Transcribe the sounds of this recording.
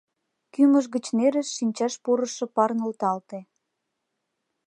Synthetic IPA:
kyməʒɣət͡ɕneɾəʃːinʲt͡ɕɑʃpuɾə̆ʃɤ̆pɑrnolt̪ɑlt̪e

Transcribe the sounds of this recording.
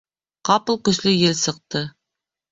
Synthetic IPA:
qɑpɤlˠkɵ̆slɵjelsɤ̆q̚t̪ɤ

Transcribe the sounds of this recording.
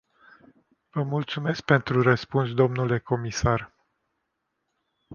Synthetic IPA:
vəmult̪sume̞sk̚pe̞nt̪ɾurəspuns̬d̪o̞mnule̞ko̞misar

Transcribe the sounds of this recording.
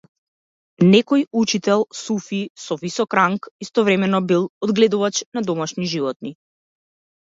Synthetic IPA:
nɛkɔjut͡ʃit̪ɛlˠsufisɔvisɔkɾaŋkist̪ɔvɾɛmɛnɔbilˠɔd̪ɡlɛd̪uvat͡ʃnad̪ɔmaʃniʒivɔt̪̚ni

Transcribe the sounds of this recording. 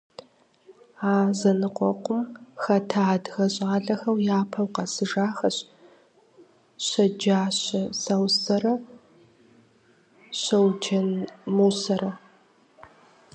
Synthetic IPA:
aːzɐnɨqʷɔqʷʊmxɐtʰaːdɣɐɕʼaːɮɐxɐwjaːpʰɐwqɐsɨʒaːxɐɕ | ɕɐd͡ʒaːɕɐsɐwsɐɾɐ | ɕɐwd͡ʒʰɐnmuːsɐɾɐ

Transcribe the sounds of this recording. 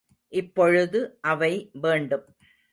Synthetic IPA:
ʔɪpːɔɻɯðɯʔɐʋɐɪʋeːɳɖɯm

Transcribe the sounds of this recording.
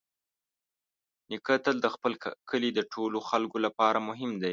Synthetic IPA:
nɪkət̪əld̪əxpəlkəlid̪əʈʰoloxalkolapɑɾamʊɦɪmd̪aj

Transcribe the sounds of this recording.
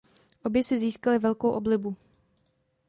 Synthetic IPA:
ʔo̞bjɛsɪziːskalɪvɛlkowʔo̞blɪbu

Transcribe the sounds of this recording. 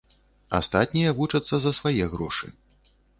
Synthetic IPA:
a̰st̪at̪ʲnʲijɐvut͡ʂɐt̪sːɐzɐsvajɛɣɾɔʂɨ̰

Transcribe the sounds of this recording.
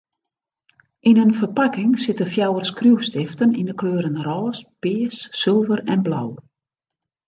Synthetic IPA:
ʔinənfərpakɪŋsɪtəfjawərskrjuwstɪftənḭndəkʰløːɾənrɔːspɪːsːɪlˠvərɛnblaw

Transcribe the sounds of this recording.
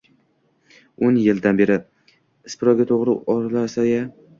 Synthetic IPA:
onjɪld̪anbe̞ɾɪ | ɪspɪɾɒɡʲat̪ʰoʁɾɪʔɒɾlaɾsaja

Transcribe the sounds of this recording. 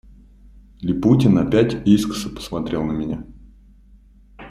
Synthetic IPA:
lʲɪputʲɪnɐpʲætʲiskə̥səpə̥smɐt̪ɾʲe̞lˠnəmʲɪnʲa

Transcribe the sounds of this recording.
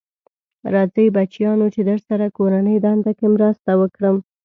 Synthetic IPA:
ɾɑzəjbat͡ʃjɑnot͡ʃed̪əʐsaɾakoɾanəjd̪ɑnd̪akemɾəst̪awəkɽəm

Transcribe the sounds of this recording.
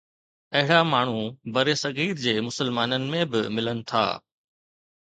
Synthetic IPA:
ɐɦɪɽamaːɳ̤ubɐɾesɐɣiːɾd͡ʑeːmʊsəlmaːnənɪ̆mẽbɪmɪlənɪ̆t̪ʰa̰ː

